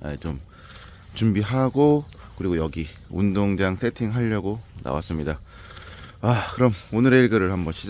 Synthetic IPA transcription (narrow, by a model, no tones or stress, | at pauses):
a̰t͡ɕom | t͡ɕumbiɦaɡo | kɯɾiɡojʌɡi | undoŋd͡ʑaŋsʰe̞tʰiŋɦaʎːʌɡona̰wa̰s͈ɯmɲida | akɯɾʌmonɯɾe̞iɭɡɯɾɯɭhambʌnɕʰi